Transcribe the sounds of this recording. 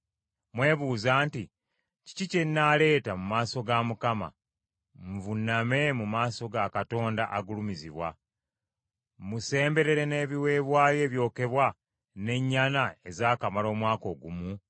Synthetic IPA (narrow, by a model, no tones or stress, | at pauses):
mwe̞ːβuːzaːnti | ci̥cicenːale̞ːtamumaːso̞ɡamukama̰ | ɱvunːame̞mumaːso̞ɡakato̞ːndaʔaɡulumiziβwa̰ | muse̞ːmbe̞ɾe̞ɾe̞ne̞ːβiwe̞ːβwaːje̞ːβjo̞ːke̞βwa | ne̞ɲːanae̞zaːkamalo̞ːmwaːko̞ːɡumu